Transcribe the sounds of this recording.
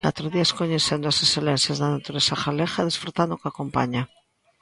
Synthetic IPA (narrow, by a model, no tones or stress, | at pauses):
a̰t̪ɾoðiaeskoɲeθend̪oasesθelen̟θjazðanat̪uɾesaxalexaðesfɾut̪and̪okakompa̰ɲa